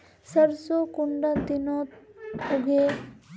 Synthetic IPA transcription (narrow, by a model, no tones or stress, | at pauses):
sɐɾsukuɳɖat̪ino | uɡe